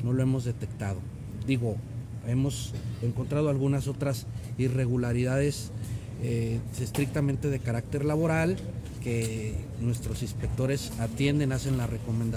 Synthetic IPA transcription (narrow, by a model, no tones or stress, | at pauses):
no̞lo̞emo̞zðe̞t̪e̞kt̪að̞o̞ | d̪iɣo̞e̞mo̞se̞ŋko̞nt̪ɾað̞oalɣunaso̞t̪ɾasire̞ɣulaɾiðað̞e̞s | eest̪ɾik̚t̪amẽ̞nt̪e̞ð̞e̞kaɾakt̪e̞ɾlaβo̞ɾal | ke̞ | nwe̞st̪ɾo̞sinspek̚t̪o̞ɾe̞sat̪je̞nd̪e̞nase̞nlare̞ko̞mend̪a